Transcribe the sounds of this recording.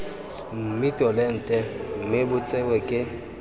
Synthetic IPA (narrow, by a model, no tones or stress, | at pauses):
m̩mitʼɔlɛn̩tʼɛm̩mɪbʊt͡sʼɪwɛkʼɪ